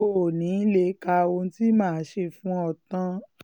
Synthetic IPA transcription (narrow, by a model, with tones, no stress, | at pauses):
o˦˨nĩ˨˦le˨˦ka˧o˧n̩˦ti˦mãː˦˨˦ʃe˧fũ˦ɔ˧˨tã˧